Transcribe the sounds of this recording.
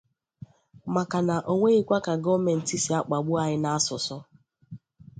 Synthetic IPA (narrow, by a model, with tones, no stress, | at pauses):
ma˨ka˨na˨ʔo˨ŋʷe˦ɣi˦kʷa˦ka˨ɡɔ˦me˨n̩˨ti˦si˨a˦k͡pa˨ɡ͡bʊ˦a˨ɦɪ˦na˦a˦sʊ˨sʊ˦